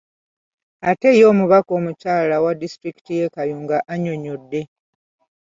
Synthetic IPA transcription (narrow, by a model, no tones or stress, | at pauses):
ate̞jo̞ːmuβako̞ːmucaːlawadːistɾiki̥tije̞kajuːŋɡaʔaɲo̞ɲodːe̞